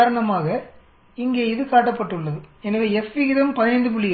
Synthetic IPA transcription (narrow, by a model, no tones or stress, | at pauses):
ɾɐɳɐmaːɣɐ | ɪŋɡeːɪðɯkaːʈːɐpːɐʈːɯɭːɐðɯɛnɐʋeɛfʋɪɪðɐmpɐðɪnɐɪnd̪ɯp̬ʊɭːɪj